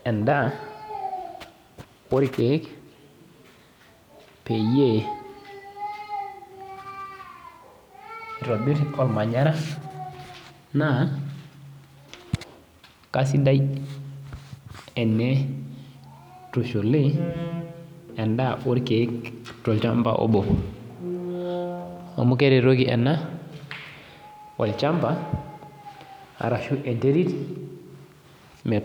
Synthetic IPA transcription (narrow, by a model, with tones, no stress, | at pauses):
e˨nda˦ | wo˦ɾi˦ke˨˦k | pe˨je˦˨ | ɾo˨bi˦ɾo˨lma˨ɲa˦ɾa˦ | na˦˨ | ka˦s̬i˦da˦j | e˨nːe˦ | toʃo˨le˦ | e˨ndaʔu˦ɾkektolt͡ʃampa̰ʔo̰˦bo | o̰˨mu˦keɾe˨ɾoɡiḛ˨nːa | wʔa̰˨lt͡ʃampa | a̰˨ɾa˨ʃuʔe˨nte˦ɾi˦t | me˨